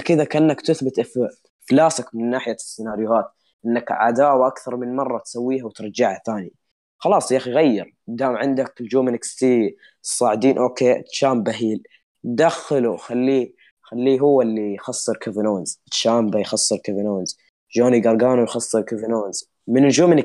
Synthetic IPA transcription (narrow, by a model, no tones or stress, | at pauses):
kɪd̪akaʔɪnːakt̪ɪθbɪt̪ʔf | flaːsakmɪnːaːħɪjasːɪnaːɾɪjʊhaːt̪ | ʔɪnːakʕa̰d̪aːwaʔakθɑɾˤmɪnmɑrˤːɑt̪sawːiːhawt̪ɾˤɑd͡ʒaʕhaθaːni | xɑlɑːsˤjaːxjɣajːɪɾ | d̪aːmʕɪnd̪akld͡ʒuːmɪnɪkst̪iː | sˤːɑːʕɪd̪iːnʔoːkeːʃaːmbaɦiːl | d̪axɪluxalːiː | xalːiːɦʊwːalːijxɑsˤːɨɾkavɪnoːnz̥ɪt̪ʃaːmbajxɑsˤːɨɾkavɪnoːnz | d͡ʒoːniɡɑɾˤɡaːnujxɑsˤːɨɾkavɪnoːnz | mɪnɪld͡ʒuːmɪnɪ